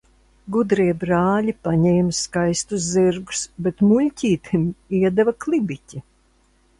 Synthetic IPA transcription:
ɡud̪ɾiɛbɾaːlʲipaɲɛːmskajst̪uzziɾɡu̥sbet̪mulʲcʲiːt̪imiɛd̪ɛvaklˠibicʲi

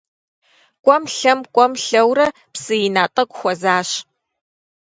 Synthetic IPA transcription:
kʷʼɔmɬɐmkʷʼɔmɬɐwrɐ | psɨjɪnaːtʼɐkʷʼxʷɔzaːɕ

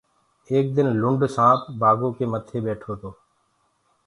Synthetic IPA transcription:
eːk̚d̪ɪnlʊɳɖsãːpbaːɡõːkeːmət̪ʰːeːɓɛːʈʰoːt̪oː

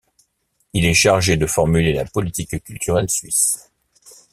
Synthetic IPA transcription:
ilɛʃaʁʒed̪əfɔʁmylela̰pɔlit̪ikkʲylt̪yʁɛlsɥis

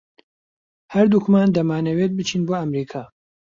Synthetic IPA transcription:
hɐɾd̪ukʰmaːnd̪ɐmaːnɐwet̪̚bɨt͡ʃʰiːnboːɐmɾiːkʰaː

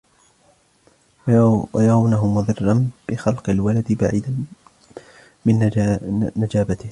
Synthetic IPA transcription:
wajɑɾˤɑwnaɦʊmʊðˤɨrˤːɑnb̥ɪxɑlqɑlwalad̪ɪbaʕiːd̪a | mɪn | nad͡ʒaːbat̪ɪh

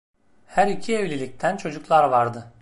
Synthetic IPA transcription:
hæɾicʰievlʲilʲic̚t̪ʰænt͡ʃʰo̞d͡ʒuklˠaɾvaɾd̪ɯ

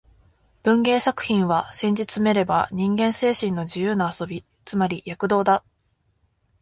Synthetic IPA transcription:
b̥ɯ̟̃ŋɡe̞ːsakɯ̟̥çĩɰ̃βasẽ̞ɲ̟d͡ʑit͡sɨme̞ɾe̞ba̰ɲ̟ĩŋɡẽ̞ɰ̃se̞ːɕĩnːo̞d͡ʑɨjɯ̟ːnaaso̞bʲi | t͡sɨmaɾʲijakɯ̟d̪o̞ːd̪a

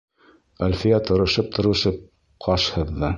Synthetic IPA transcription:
ælfijæt̪ŏɾŏʃɤp̚t̪ʰŏɾɤ̆ʃɤp̚ | qʰɑʃhɤ̆ðːɤ

